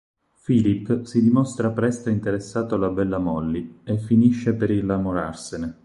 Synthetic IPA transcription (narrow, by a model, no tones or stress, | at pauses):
filipːsid̪imɔst̪ɾapɾɛst̪aint̪eɾesːaːt̪olabɛlːamɔlːiefːiniʃːepeɾilːamoɾarsene